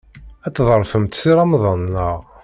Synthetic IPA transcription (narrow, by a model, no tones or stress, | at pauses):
æt͡s̪ːðˤəɾˤfəmt̪siɾɑmðˤənːəʁ